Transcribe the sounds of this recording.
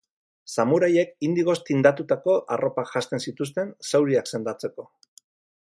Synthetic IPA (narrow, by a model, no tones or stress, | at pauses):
samuɾaje̞kind̪iɣo̞st̪ind̪at̪ut̪ako̞ʔaro̞pakʝast̪e̞nsit̪ust̪e̞nsawɾiakse̞nd̪at͡se̞ko̞